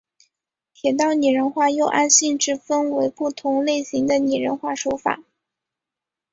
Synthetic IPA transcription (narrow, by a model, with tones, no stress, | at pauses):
t̪ʰjɛ˨˩t̪ɑ˥˩ʊni˨˩ɻə˧˥nxwa˥˧jo˥˧ʊʔa˥nɕi˥˧ŋʈ͡ʂɻ̩˥˩fə˥nwe˧˥ɪpu˥˩t̪ʰʊ˧˥ŋle˥˩ɪɕi˧˥ŋd̪ə˧ni˨˩ɻə˧˥nxwa˥˩ʂo˧˥ʊfa̰˨˩˦